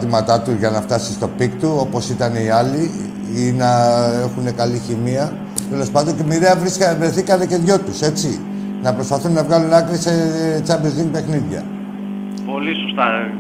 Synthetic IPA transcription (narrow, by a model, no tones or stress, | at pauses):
t̪imɐt̪ɐt̪uzʝɐnɐft̪ɐsist̪o̞pikt̪uo̞po̞sit̪ɐneiɐli | inɐe̞xune̞kɐliçimiɐ | t̪e̞lo̞spɐnd̪o̞ɲcemiðeɐvɾisvɾe̞θikɐnece̞ðʝo̞t̪use̞t͡si | nɐpɾo̞spɐθunːɐvɣɐlunɐkɾise̞t͡sɐbizðinpe̞xniðʝɐ̰ | po̞lisost̪ɐ